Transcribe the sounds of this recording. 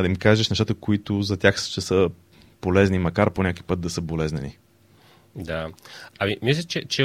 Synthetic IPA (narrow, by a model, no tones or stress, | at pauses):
d̪ɐimkaʒɛʃnɛʃt̪at̪əkoit̪ʊzɐt̪ʲjaxst͡ʃɛsə | polɛznimɐkaɾponʲaku̥jpɤt̪̚d̪ɐsəbolɛznɛnḭ | d̪aɐmimislʲət͡ʃɛt͡ʃɛ